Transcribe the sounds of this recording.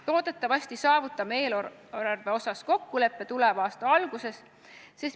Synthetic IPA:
t̪o̞ːd̪̥e̞t̪ˑːɑvɑsʲt̪isɑːvut̪ːˑɑme̞ːl | ɾɑrve̞o̞sɑsko̞kːule̞pːe̞t̪ulɛvɑːst̪ɑɑlɡ̥use̞s | se̞st̪

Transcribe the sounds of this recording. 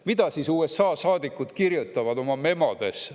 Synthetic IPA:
mid̪̥ɑsiːsuːesːɑːsɑːd̪̥ikːˑud̪̥kirjut̪ːˑɑvɑd̪̥o̞mɑme̞mɑd̪̥e̞s

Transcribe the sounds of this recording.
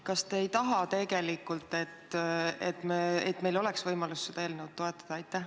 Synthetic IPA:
kɑst̪e̞ːjt̪ɑɦɑt̪e̞ɡ̥e̞likːˑult̪ːˑe̞t̪ːet̪ːmeet̪ːme̞jlo̞le̞ksvɤjmɑlusːed̪ɑeːlnewd̪̥̚t̪ːo̞et̪ːˑɑ̥d̪̥ɑɑjt̪ːæ

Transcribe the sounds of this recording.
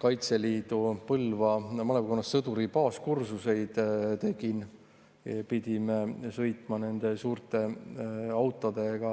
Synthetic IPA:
kɑjt̪se̞liːd̪̥upɤlvɑmɑlepkonːɑsːɤd̪uɾipɑːskursuse̞jd̪̥t̪e̞ɡ̥in | pid̪̥ʲimesɤ̞jt̪ˑmɑne̞nd̪̥e̞suːrt̪ˑe̞ | ɑwt̪ːˑod̪e̞ɡ̥ɑ

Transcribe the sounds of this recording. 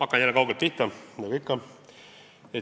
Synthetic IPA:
ɑkːˑɑnjælːekɑwɡelt̪piht̪ːɑnɑɡuikːɑ | e

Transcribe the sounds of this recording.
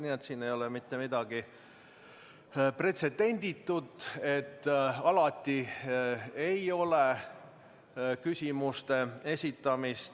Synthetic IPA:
niːet̪siːnejo̞lemit̪ːemid̪̥ɑɡ̥i | pre̞t̪se̞d̪̥e̞nʲd̪̥it̪ːud̪e̞t̪ːɑlɑt̪ːi | ejo̞le | kysʲimust̪e̞e̞sʲit̪ːˑɑmist̪

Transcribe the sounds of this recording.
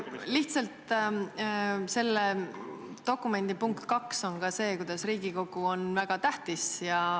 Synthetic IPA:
liht̪sɑlt̪ | se̞lːe | t̪o̞kːˑume̞nd̪̥ipuŋkt̪kɑkso̞nkɑse̞ːkujd̪̥ɑsriːɡ̥iko̞ɡ̥uo̞nvæɡ̥ɑt̪æht̪isjɑ

